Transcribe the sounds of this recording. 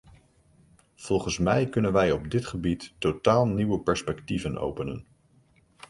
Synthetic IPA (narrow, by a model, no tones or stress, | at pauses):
v̥ɔlˠχənsmɛjkɵnənʋɛjɔbdɪtχəbitːotaːlˠniwəpɛɹspɛktivəno̰wpənə̰n